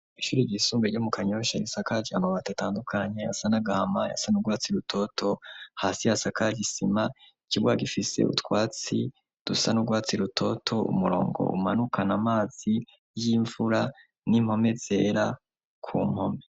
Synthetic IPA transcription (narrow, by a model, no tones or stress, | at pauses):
iʃuːɾiɟisuːmbeɾɟomukʰaɲo̞ʃajisakaɟiamaβaːtataːndukʰaɲe̞jasanaɡahamaja̰sanuɡwaːt͡siɾutʰo̞tʰo̞haːsijasakaɟisimaicibwaɡifisḛṵtwaːt͡si | d̥usanuɡwaːt͡siɾutʰo̞tʰo̞ṵmuɾo̞̰ːŋɡo̰ʔṵmanukʰanamaːz̥i | jiːɱvuɾa | nim̥ho̞me̞z̥e̞ːɾa | kʰuːm̥ho̞me